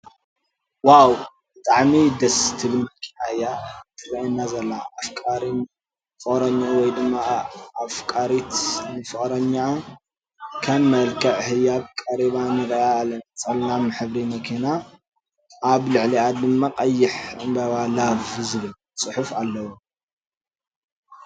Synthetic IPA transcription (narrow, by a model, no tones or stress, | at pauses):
waw | bɨt̪ʼaʕmid̪ɐst̪ʰɨβɨnmɐlkʼinahɨjːat̪ʰʼɨrɐinːazɐlːaafkʼaɾin | fɨχʼɾɐɲːawɔjd̪ɨmːaːfkʼaɾit̪nɨfɨχʼɾɐɲːa | kʰɐmːɐlkʼʰɐʕhɨjːab̚kʼɐɾiβanɨɾɐaːlɐnɐt͡sʼɐlnamɨħɨβɾimɐkʰina | ʔaβlɨʕliad̪ɨmːaqʼɐjːɪħɨmbɐβalavzɨβɨl | sʼɨħufalːɐwu